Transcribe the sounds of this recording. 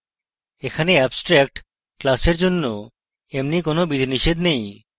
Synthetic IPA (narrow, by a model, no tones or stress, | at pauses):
ekʰaneɛbsʈɾɛk̚ʈ | klaseɾd͡ʒonːo | emnikonobid̪ʱniʃed̪nej